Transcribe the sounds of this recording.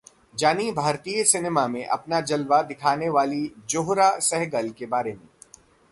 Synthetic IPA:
d͡ʒaːnibʱaːɾt̪iːjəsɪneːmamẽʔɐ̰pnad͡ʒɐlʋad̪ɪkʰaːneʋaːlid͡ʒoːɦɾasɛɦɡəlkebaːɾemḛ̃ː

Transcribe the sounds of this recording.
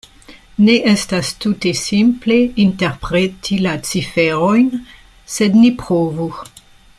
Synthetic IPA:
neʔestastutesimple̞inteʁpɾetʰilat͡sifeɾojn | sednipʁovu

